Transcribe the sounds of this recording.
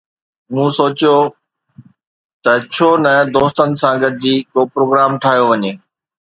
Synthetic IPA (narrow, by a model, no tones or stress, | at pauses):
mũːsoːt͡ɕjo | t̪ɐt͡ɕʰoːnɐd̪oːst̪ənɪ̆sãːɡɐd̪̚d͡ʑiːkoːpɾoːɡɾaːmʈʰaːɦijoʋɐɲeː